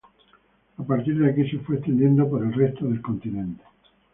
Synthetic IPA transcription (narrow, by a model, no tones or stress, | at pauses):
apaɾt̪iɾðeakise̞fwe̞ːst̪end̪je̞nd̪opoɾelrest̪oðelkõ̞nt̪inẽnt̪e̥